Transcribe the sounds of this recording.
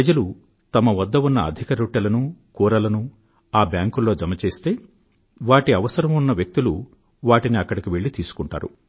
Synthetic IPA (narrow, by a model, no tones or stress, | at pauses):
ɐd͡ʒɐlu | t̪ɐmɐʋɐd̪ːɐunːɐɐ̰d̪ʱikɐɾuːʈːɐlɐnukuːɾɐlɐnu | aːbjaːŋkulːo̞ːd͡ʒɐmɐt͡ʃe̞ːst̪e̞ː | ʋaːʈiɐʋɐsɐɾɐmunːɐʋjɐk̚t̪ilu | ʋaːʈiniɐkːɐɽikiʋe̞ɭːit̪iːsu̥kuɳʈa̰ːɾṵ